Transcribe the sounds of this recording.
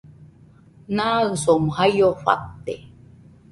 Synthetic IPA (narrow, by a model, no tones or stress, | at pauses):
naɨsomhajoɸa̰k̚t̪e